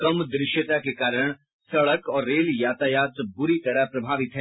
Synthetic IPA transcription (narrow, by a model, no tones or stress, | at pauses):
kɐmd̪ɾɪʃjət̪akekaːɾəɽ̃ | sɐɭəkɔːɾːeːljaːt̪ajaːt̪ɾbʊɾit̪ɐɾəɦpɾɐbʱaːʋɪt̪ɦɛː